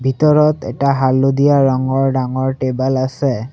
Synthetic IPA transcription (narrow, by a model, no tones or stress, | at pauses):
bʱitɔɹɔtɛ̰taɦalodijaɹɔŋɔɹɖaŋɔɹʈebalasɛ